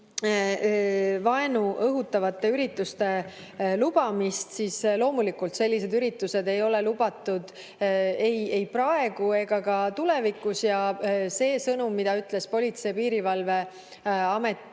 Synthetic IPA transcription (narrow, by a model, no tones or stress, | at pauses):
vɑe̞nuʔɤɦut̪ːˑɑvɑt̪ːˑe̞yɾit̪ːˑust̪e̞ | lub̥ɑmist̪siːslo̞ːmulikult̪se̞lʲːise̞d̪yɾit̪ːˑuse̞d̪e̞jo̞le̞lub̥ɑt̪ːˑud̪̥ | eje̞jprɑe̞ɡ̥ue̞ɡɑkɑt̪ulɛvikːˑusjɑse̞ːsɤnumːid̪̥ɑyt̪ːˑle̞spo̞lʲit̪sejpiːɾivɑlve̞ | ɑme̞t̪ːˑ